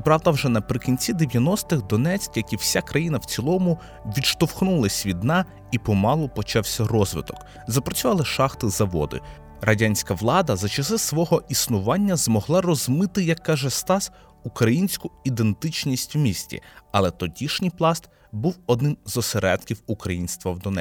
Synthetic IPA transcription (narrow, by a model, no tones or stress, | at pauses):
pɾɑwd̪ɐwʒɛnɐpɾɪkʲinʲt͡sʲid̪eʋʲjɐnɔst̪ɪɣd̪ɔnɛt͡sʲkjɐkʲiwsʲakɾɐjinɐwt͡sʲilˠɔmʊ | ʋʲidʃt̪ɔwxnulˠɐsʲʋʲid̪nɑ | ipɔmɑlˠɔpɔt͡ʃɑwsʲɐrɔzʋɪ̰t̪ɔk | zɐpɾɔt͡sʲʊʋɑlˠɐʃɑxt̪ɪzɐʋɔ̰d̪ɪ̰ | rɐdʲanʲsʲkɐʋlˠɑd̪ɐzɐt͡ʃɐsɪsʋɔɦɔʔisnʊʋɑnʲːɐzmɔɦlˠɑrɔzmɪt̪ɪjɐkːɑʒɛst̪ɑs | ukɾɐjinʲsʲkʊid̪e̞nt̪ɪt͡ʃnʲisʲtʲwmʲisʲtʲḭɐlˠɛt̪ɔdʲiʃnʲijplˠɑst̪ | buwɔd̪nɪmzɔseɾɛd̪̚kʲiwukɾɐjinʲst̪ʋɐwd̪ɔnɛ